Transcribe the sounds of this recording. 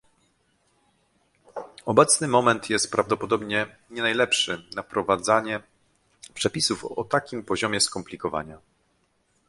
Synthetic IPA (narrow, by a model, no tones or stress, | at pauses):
ɔbɛt̪snɘmɔmɛnt̪jɛst̪̚pɾavd̪ɔpɔd̪ɔbɲɛ | ɲɛnajlɛpʂɘnapɾɔvad̪zaɲɛ | pʂɛpʲisufɔ̰t̪akʲimpɔʑɔmʲjɛskɔmplʲikɔva̰ɲa